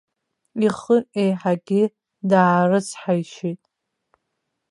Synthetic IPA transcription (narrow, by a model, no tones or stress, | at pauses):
iχəʔejħaɡʲɪ | daːrɨt͡sʰħajʃijtʼ